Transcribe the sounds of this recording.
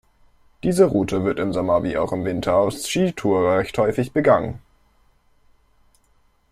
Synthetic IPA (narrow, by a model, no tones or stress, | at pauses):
d̥iːzəʁuːtʰəvɪɐtɪmzɔmɐvḭːʔa̰ʊxɪmvɪntʰɐaʊfsʃiːtʰuːɐʁɛçthɔʏfɪçb̥əɡaŋə̰n